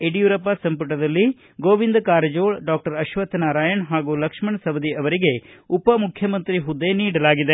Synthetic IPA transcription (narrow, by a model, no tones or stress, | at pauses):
eɖijuɾɐpasɐmp̬ɐʈɐd̪ɐlːi | ɡoːʋind̪kaːɾɐd͡ʒoːɭɖaːk̚ʈɐɾɐʃʋɐt̪naːɾaːjɐɳɦaːɡulɐkʂmɐɳsɐbɐd̪iɐʋɐɾiɡeupɐmukʰjɐmɐnt̪ɾiɦud̪ːeniːɽɐlaːɡid̪e